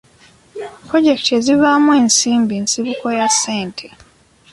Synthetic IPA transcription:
pɾo̞ɟe̞kte̞ziβamwe̞ːnsiːmbiːnsiβuko̞jasːe̞ːntʰe

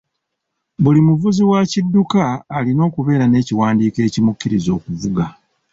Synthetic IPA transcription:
bulimuvuziwacidːukaːlino̞ːkuβe̞ːɾane̞ːciwaːndiːke̞ːcimukːiɾizo̞ːkuvuɡa

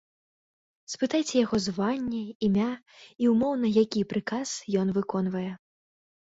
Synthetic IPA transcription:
spɨt̪ajt͡sʲɛjaɣɔzvanʲːɛimʲa | iwmɔwnɐjakʲipɾɨkasjɔn̪vɨkɔn̪vɐjɛ

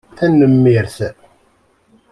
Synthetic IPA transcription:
θænːəmːiɾθ

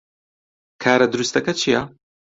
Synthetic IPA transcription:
kʰaːɾɐd̪ɨɾust̪ɐkɐt͡ʃʰijɐ

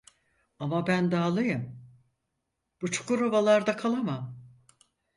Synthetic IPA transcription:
amabænd̪aːlˠɯjɯm | b̥ut͡ʃʰu̥kuɾovalˠaɾd̪akʰalˠamam

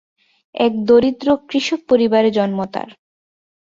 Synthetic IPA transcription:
ɛk̚d̪oɾid̪ɾokɾiʃok̚poɾibaɾed͡ʑɔnmot̪a̰ɾ

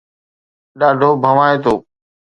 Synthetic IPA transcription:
ɗaːɖʱoːbʱəʋaːeːt̪oː

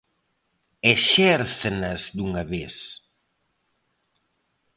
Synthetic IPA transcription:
eʃɛɾθnɐzd̪uŋɐβes

